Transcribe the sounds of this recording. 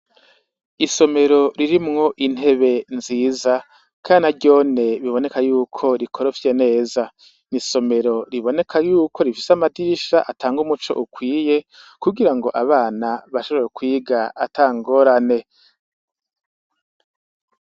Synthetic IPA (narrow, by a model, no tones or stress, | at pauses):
iso̞me̞ɾo̞ɾiɾimŋo̞ʔin̥he̞βe̞nziːza | kʰaːɾinaɟo̞ːne̞βiβo̞ne̞kajuːkʰo̞ɾikʰo̞ɾofje̞ne̞ːza | niso̞me̞ɾo̞ɾiβo̞ne̞kʰajuːko̞ɾifi̥samadiʃaʔatʰaːŋɡumut͡ʃo̞̰ʔukwiːje̞kuɡiɾaŋɡo̞ʔaβaːnaβaʃo̞βojekwiːɡaa̰tʰaːŋɡo̞ɾane̞